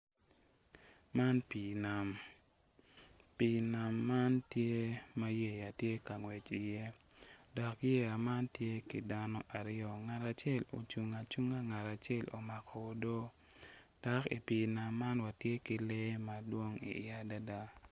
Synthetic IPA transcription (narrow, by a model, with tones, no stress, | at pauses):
ma˦npi˨na˨m | pi˨na˨mːa˦ntje˦ma˦je˨ja˨tje˦ka˨ŋwɛ˨t͡ʃi˨je˦dɔ˨kje˦a˨ma˦ntje˦ki˨da˦nɔ˦ʔa˨ɾɪɔ˦ŋa˨ta˨t͡ʃe˦˨lo̰˨t͡ʃu˨ŋa˨t͡ʃu˦ŋa˦ŋa˨ta˨t͡ʃɛ˦lo̰˨ma˨kɔ˨o˦do˦ | d̥ɔ˨kḭ˨pi˨na˨mːa˦nwa˨tje˦ki˨le˦ma˨dwo˦ŋḭ˨ɪa˦da˦da˦